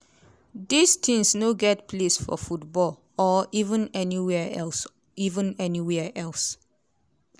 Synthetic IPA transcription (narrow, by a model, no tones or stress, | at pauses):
d̪ist̪ʰɪ̃ŋsnoɡɛt̚pʰlesfɔ̰futbɔl | ɔivə̃nɛniwɛɛls | ivə̃nɛniwɛʔɛls